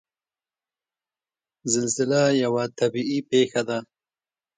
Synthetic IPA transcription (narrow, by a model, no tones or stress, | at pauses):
zɪlzɪlajawat̪abiipexad̪a